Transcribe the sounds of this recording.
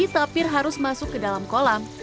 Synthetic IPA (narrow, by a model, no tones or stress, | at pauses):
it̪apɪrɦaɾʊsmasʊkːədalamkola